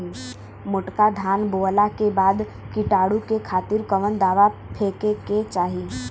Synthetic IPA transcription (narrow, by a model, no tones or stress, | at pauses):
mʊʈkad̪ʱaːnboːlakebaːd̪ | kiʈaːɽũkekʰaːt̪ɪɾkəʋənd̪aːʋapʰeːkeket͡ʃaːɦiː